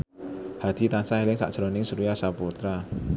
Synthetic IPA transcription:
had̪̥i̤t̪ansaɦelɪŋsa̰ʔd̥ʒ̥ɾɔ̤nɪŋsuɾujasaput̪ɾa

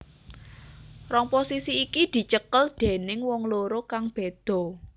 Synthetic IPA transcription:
rɔŋposisiːkid̪̥i̤t͡ʃəkəld̪̥e̤nɪŋwɔŋloɾokaŋb̥e̤d̪̥ɔ̤

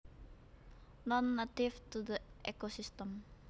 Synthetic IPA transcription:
nɔnːat̪ift̪ud̪əʔɛkosist̪əm

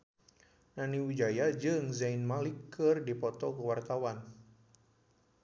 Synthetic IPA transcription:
naniwud͡ʒajad͡ʒɨŋzainmalikːɨrdipɔt̪ɔkəwart̪awan

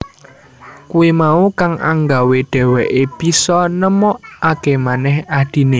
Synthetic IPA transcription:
kuimaukaŋʔa̰ŋɡaweɖ̥ɛ̤wɛʔeb̥i̤sɔnəmɔʔakemanɛhad̪̥i̤ne

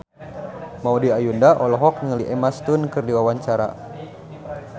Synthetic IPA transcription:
maudiajundaʔɔlɔɦɔk̚ɲŋəliʔɛmast̪unkɨrdiwawaɲt͡ʃaɾa̰

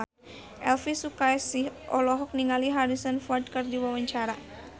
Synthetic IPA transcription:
ʔɛlfisukajsihʔɔ̰lɔɦɔk̚niŋaliɦaɾisənfard̚kɨrdiwawaɲt͡ʃaɾa

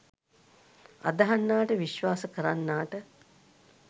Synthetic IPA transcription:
a̰d̪ɐɦanːaːʈəʋiʃʋaːsəkəɾanːaːʈə

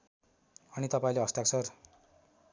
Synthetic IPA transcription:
ʌnit̪ʌpaĩleɦʌst̪jaksʌr

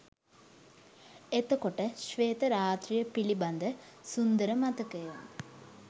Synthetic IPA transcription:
et̪əkoʈəʃʋeːt̪əɾaːt̪ɾijəpiliband̪əsund̪əɾəmat̪əkəjon

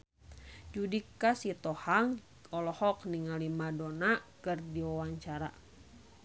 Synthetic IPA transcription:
d͡ʒudikasit̪ɔhaŋ | ɔlɔhɔk̚niŋalimadɔnakɨrdiɔwaŋt͡ʃaɾa̰

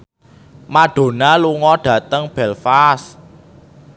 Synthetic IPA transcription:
maɖ̥o̤naluŋɔɖ̥ä̤t̪əŋb̥ɛlfas

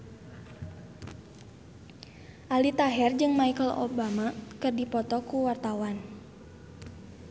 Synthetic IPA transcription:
ʔalit̪aɦɛrd͡ʒɨŋmaikəlo̰bamakɨrdipɔt̪ɔkuwart̪awan

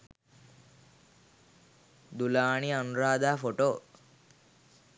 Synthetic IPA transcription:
d̪ulaːniɐnuɾaːd̪aːfoʈoː

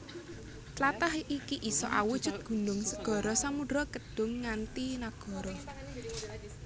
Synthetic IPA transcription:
t͡ʃlat̪ahikiʔisɔ̰ʔawu̥ʒ̥ʊt̪̚ɡ̥ṳnʊŋsəɡ̥ɔ̤ɾɔsamudɾɔkəɖ̥ʊ̤ŋːant̪inaɡ̥ɔ̤ɾɔ

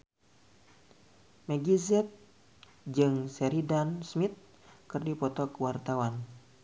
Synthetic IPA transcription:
mɛɡizɛt̪̚ | d͡ʒɨŋsɛɾidansmit̪̚ | kɨrdipɔt̪ɔkəwart̪awan

